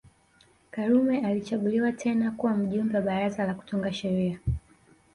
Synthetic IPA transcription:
kaɾumɛalit͡ʃaɠuliwatʰɛnakuwam̩ʄumbɛwaɓaɾazalaku̥tuŋɡaʃɛɾia

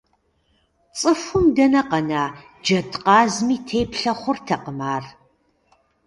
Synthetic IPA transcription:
t͡sʼɨfʊmdɐnɐqɐnaː | d͡ʒɐtʰqɑːzmiːtʰeːpɬɐχʷʊrtʰɐqəmaːr

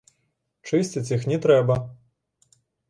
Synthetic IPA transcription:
t͡ʂɨsʲtʲɪt͡sʲixnʲɛt̪ɾɛbɐ

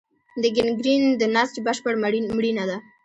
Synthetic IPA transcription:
d̪əɡɪnɡɾind̪ənast͡ʃbəʃpəɽmɽinad̪a

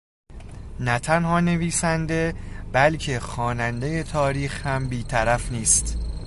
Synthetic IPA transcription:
næt̪ʰænhɒːne̞viːsænd̪e̞b̥ælcʰe̞xɒːnænd̪e̞je̞t̪ʰɒːɾiːxhæmbiːt̪ʰæɾæfniːst̪

